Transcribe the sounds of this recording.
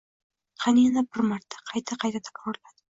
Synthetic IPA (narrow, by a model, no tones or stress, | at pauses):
qʰɑnijanabɪɾmaɾt̪ʰːḁqʰɑjt̪ʰaqʰɑjt̪ʰat̪ʰḁkɾɒɾlad̪ɪ